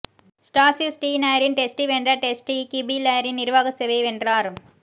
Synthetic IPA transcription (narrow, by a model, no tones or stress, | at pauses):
sʈaːsisʈiːnaːɾinʈesʈiʋeːɳdrɾɐʈesʈikːibilaːɾinnɪɾʋaːɣɐseʋeʋeɳɖraːɾ